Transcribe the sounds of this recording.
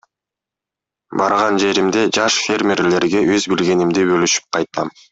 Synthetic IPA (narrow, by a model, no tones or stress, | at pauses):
bɑɾʁɑnd͡ʒe̞ɾimd̪e̞d͡ʒɑʃfʲe̞rmʲerle̞ɾɡe̞ʔøzbilɡʲe̞nimd̪ibølyʃy̥p̚qʰɑjt̪ɑm